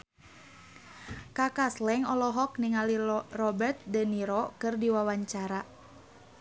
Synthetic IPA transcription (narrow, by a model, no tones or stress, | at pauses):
kakaslɛŋɔlɔɦɔk̚niŋalirɔbɛrt̪̚dəniɾɔkɨrdiwawaɲt͡ʃaɾa